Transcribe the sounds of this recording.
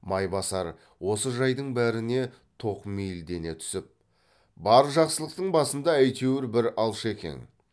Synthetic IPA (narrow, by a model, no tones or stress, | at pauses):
mɑjbɑsɑɾ | wo̞səʒɑjd̪əɴbæɾɪne̞ | t̪ʰo̞qmijld̪e̞ne̞t̪ʰʏ̥sɪp̚ | bɑɾʒɑqsəlˠəq̚t̪əɴbɑsənd̪ɑæjt̪ʰewɪɾbɪɾɑlˠʃe̞kʲe̞̰n